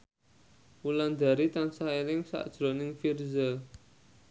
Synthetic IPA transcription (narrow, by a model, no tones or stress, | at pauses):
wuland̪a̤ɾit̪ansaelɪŋsa̰d̥ʒ̥ɾonɪŋfirzə